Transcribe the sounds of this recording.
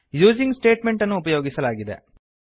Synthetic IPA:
juːd͡ʒiŋɡsʈeːʈme̞ɳʈɐnːuːpɐjoːɡisɐlaːɡid̪ḛ

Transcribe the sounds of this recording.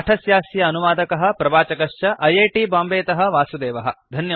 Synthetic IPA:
ʈʰɐsjaːsjɐːnuʋaːd̪ɐkɐɦɐ̆pɾɐbaːt͡ʃɐkɐʂjɐʔɐjeːʈiːbaːmbeːt̪ɐɦɐ̆ʋaːsud̪eːʋɐɦɐ̰̆d̪ʱɐnjɐ

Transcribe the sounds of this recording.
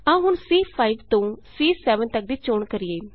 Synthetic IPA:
ãːɦʊɳsiːpʰaːiʋt̪õːsiːsɛːʋənt̪ək̚d̪iːt͡ʃoːɳkəɾieː

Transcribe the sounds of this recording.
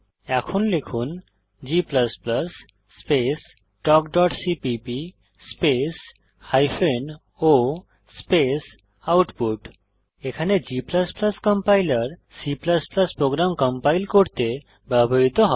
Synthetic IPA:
ɛkʰonlekʰun | d͡ʑipləspləsː | pes | ʈɔkɖɔʈsipipi | spes | hajpʰen | o | spes | awʈpuʈ | ekʰaned͡ʑipləspləskəmpajlaɾ | sipləspləspɾoɡɾamkəmpajlkoɾt̪e | bɛbʱoɾit̪oɦɔ

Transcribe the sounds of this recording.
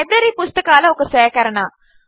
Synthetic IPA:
ebɾɐɾipʊst̪ɐkaːlɐɔkːɐseːkɐɾɐɳa

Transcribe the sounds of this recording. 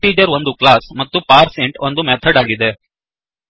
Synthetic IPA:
iːd͡ʒɐɾond̪uklaːsmɐt̪ːupaːɾseɳʈond̪umɛt̪ʰɐɖaːɡid̪e̞

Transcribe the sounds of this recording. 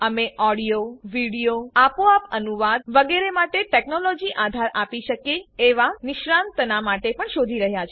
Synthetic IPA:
əmeʔɔɽijoʋiɽijoapoapənuʋad̪̚ʋəɡeɾemaʈeʈeknolɔd͡ʒiʔad̪ʱaɾʔapiʃəkeeʋanɪʃɾãnt̪ənamaʈepəɳʃod̪ʱiɾəɦjat͡ʃʰ

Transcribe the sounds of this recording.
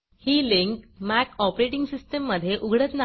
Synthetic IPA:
hiːliŋkmækɔpɾeʈiŋɡsisʈəmːəd̪ʱːjeʔuɡʱɽət̪na

